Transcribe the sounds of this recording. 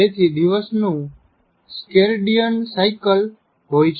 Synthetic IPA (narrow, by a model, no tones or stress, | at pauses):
et̪ʰid̪iʋəsnũ | skeɾɖijənsaikəl | ɦojt͡ʃʰ